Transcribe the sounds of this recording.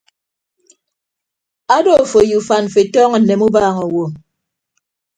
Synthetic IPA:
a˦do˦˨fo˨ju˨fa˨n˨fe˨tɔː˦ŋ̩˨ne˨mu˦baː˦˨ŋɔ˨wo˨

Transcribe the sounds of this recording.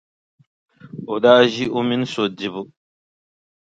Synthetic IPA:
o˨daː˦ʒi˦ʔʊ˦mi˦n˦so˨di˨bu˦

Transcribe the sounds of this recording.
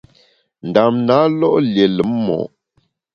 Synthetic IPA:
n˨da˨mna˨˦lɔ˦ʔlje˨lə˨˦mmɔ̰˨ʔ

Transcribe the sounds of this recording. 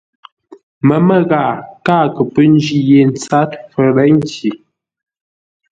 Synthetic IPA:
mə˨mə˦ɣa˨kaː˦˨kə˨pə˦n˦d͡ʒi˦je˨˦n̩˨t͡sa˦tfə˨ɾɛ˦ŋ̩˦ki˨

